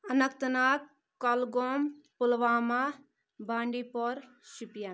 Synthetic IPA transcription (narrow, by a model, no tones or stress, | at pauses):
ɐnɐkt̪ɐnaːk | kːɐlɡompulʋaːma | baːɳɖipɔɾ | supja